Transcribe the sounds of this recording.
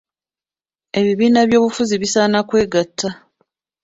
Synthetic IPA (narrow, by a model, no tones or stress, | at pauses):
e̞βiβiːnaβjo̞ːβufuziβisaːnakwe̞ːɡatʰːa